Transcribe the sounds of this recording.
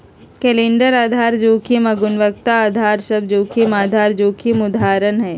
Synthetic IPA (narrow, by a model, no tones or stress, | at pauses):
kɛːlẽːɳɖəɾaːd̪ʱaːɾd͡ʒoːkʰimɐɡʊnʋək̚t̪aaːd̪ʱaːɾsɐb̚d͡ʒoːkʰimaːd̪ʱaːɾd͡ʒoːkʰimʊd̪ʱaːɾənɦɛː